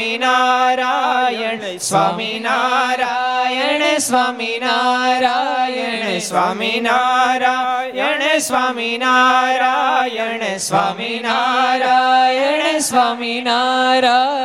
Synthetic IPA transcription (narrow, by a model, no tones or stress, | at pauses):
inaɾaj | sʋaːminaɾajsʋaminaɾa | sʋaminaɾajnsʋaminaɾa | saminaɾa | sʋaminaɾa